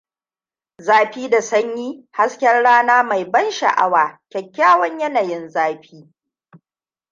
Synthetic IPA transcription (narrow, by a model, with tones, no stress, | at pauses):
zaː˦ɸiː˦da˨sɐ˦ɲjiː˦ha˦skʲɛ˦rɽaː˦naː˦ma˨jbɐ˦nʃɐ̰˨ʔa̰˦waː˨kʲɛ˨kʲːaː˦wɐ˦ɲjɐ˦naː˨jɪ˦nzaː˦ɸiː˦